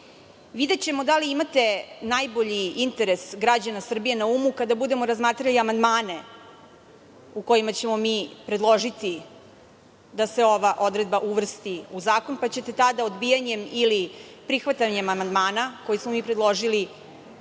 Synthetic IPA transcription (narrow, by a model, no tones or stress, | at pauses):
ʋid̪et͡ɕe̞mo̞d̪aliimat̪e̞najbo̞ʎiint̪e̞ɾe̞sɡɾad͡ʑanasr̩bije̞naumukad̪abud̪e̞mo̞ɾazmaːt̪ɾaliamand̪maːne̞ | uko̞jimat͡ɕe̞mo̞miːpɾed̪lˠo̞ʒit̪i | d̪ase̞o̞ʋaʔo̞d̪ɾe̞d̪̚baʔuʋr̩st̪iuzaːko̞npat͡ɕe̞t̪e̞t̪ad̪aod̪bijaɲe̞milipɾixʋat̪aɲe̞mamand̪maːnako̞jismomiːpɾed̪lˠo̞ʒili